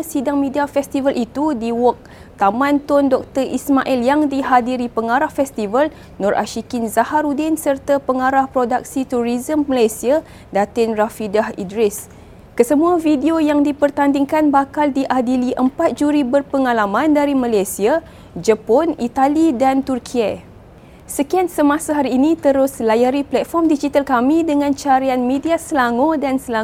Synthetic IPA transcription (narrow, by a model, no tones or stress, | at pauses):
sidaŋmĩdiafɛst̪ivəlʔit̪udiwɔk̚ | t̪amãnt̪ɔndɔk̚t̪ərḭsmaʔiljaŋdiɦadiɾipəŋaɾahfɛst̪ivəl | nɔɾʔa̰ʃikɪnzahaɾudɪnsərt̪apəŋaɾahpɾodak̚sit̪uɾizəmːəlajsia | dat̪ɪnrafidahḭdɾɪs | kəsəmũãvidiojaŋdipərt̪andiŋkanbakaldiʔadiliʔəmpat̪̚d͡ʒuɾibərpəŋalamãndaɾimalajsia | d͡ʒəpɔnit̪alidant̪urkʰia | səkiansəmãsaɦaɾiːnĩt̪əɾʊslajaɾiplɛt̪̚fɔrmdid͡ʒit̪alkamĩdəŋãnt͡ʃaɾianmẽdiasəlaŋodansəla